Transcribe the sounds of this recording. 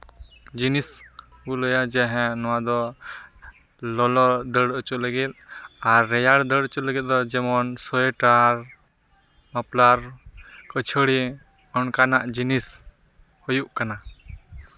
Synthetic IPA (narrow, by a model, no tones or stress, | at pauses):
d͡ʒinis | bulɔjad͡ʒɛɦɛ̃nɔwad̪ɔ | lɔlɔd̪əɽət͡ʃuləɡɛt̪̚aɾːɛjaɽd̪əɽət͡ʃuləɡɛt̪̚ˀd̪ɔd͡ʒɛmɔnsɔɛʈaɾ | mɔplaɾkət͡ʃʰəɽi | ɔnkanaʔd͡ʒinis | hɔjuʔkana